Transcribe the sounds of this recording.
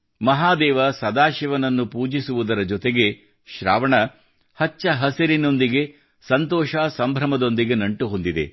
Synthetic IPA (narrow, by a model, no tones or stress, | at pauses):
mɐɦaːd̪ɛːʋɐsɐd̪aːʃiʋɐnɐnːupuːd͡ʒisuʋud̪ɐɾɐd͡ʒɔt̪eɡe̞ | ʃɾa̰ːʋɐɳɐ | hɐt͡ʃːɐɦɐseɾino̞nd̪iɡe̞ | sɐnt̪ɔːʃasɐmbʱɾɐmɐd̪o̞nd̪iɡe̞nɐɳʈuɦond̪id̪ḛ